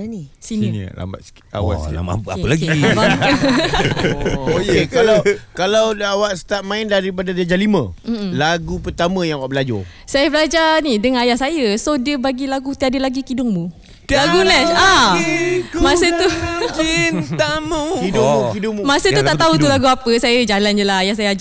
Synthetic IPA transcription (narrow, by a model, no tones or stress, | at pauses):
nisinin̰la̰mba̰t̪ska̰wa̰a̰ma̰pa̰əlaɡi | okekalakalawawaʔst̪aʔ̚mãɪndaɾip̬adadad͡ʒalimə̃m̩laɡupərt̪amə̃jaŋwaʔbəlad͡ʒɔ̰ | sajabəlad͡ʒanidəŋanajahsajəsodiəbaɡilaɡut̪iadəlaɡikidʊŋmu | laɡulɛa | mãsət̪uint̪amukidʊmukidʊŋmumãsəuaʔt̪aɦut̪ulaɡuapəsajəd͡ʒaland͡ʒəlaɦajahs̬ajaad͡ʒa